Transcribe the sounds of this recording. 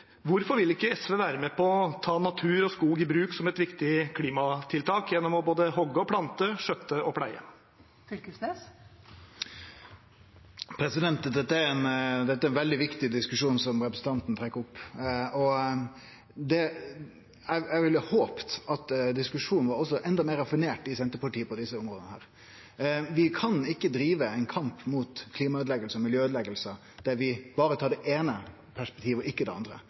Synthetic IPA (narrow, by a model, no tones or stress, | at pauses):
ʋʊɾfɔɾʋɪlɪkːəɛsʋeːʋæːɾəmeːpʰɔɔt̪ʰɑːnɑt̪ʰʉːɾɔskuːɡɪbɾʉːksɔmɛt̪ʋɪkt̪ɪkʰliːmɑt̪ʰɪlt̪ʰɑːkjɛnːɔmɔboːd̪əhɔɡːəɔpʰlɑnt̪əʂœt̪ːəɔpʰɽæɪə̰ | sʏlkəsneːs | pʰɾɛsɪd̪ɛnt̪əd̪ɛt̪ːəæɾɛnd̪ɛt̪ːəæɛnʋɛld̪ɪʋɪkt̪ɪd̪ɪskʉʂuːnsɔmɾɛpɾəsn̩t̪ʰɑnt̪n̩t̪ʰɾɛkːəʊpːɔ | d̪ɛ | æɪæɪʋɪlːəhoːpt̪ɑt̪d̪ɪskʉʂuːnn̩ʋɑɾɔs̬ːɔʔɛnd̪ɑmeːɾɑfɪneːʈɪsɛnt̪əɾpɑʈiːəpɔd̪ɪsːəʊmɾoːd̪ənəhæ̰ːɾ | ʋɪkʰɑnɪkːəd̪ɾiːʋəæɪnkʰɑmpmuːt̪kʰliːmɑøːd̪lɛɡəlsəmɪljøːøːd̪lɛɡəlsə | d̪̥æʋɪb̥ɑːɾət̪ʰɑːɖɛʔeːnə | pʰæʂpɛ̥k̚t̪ʰiːʋɔʔɪkːəd̪ɛɑ̰nd̪ɾə̰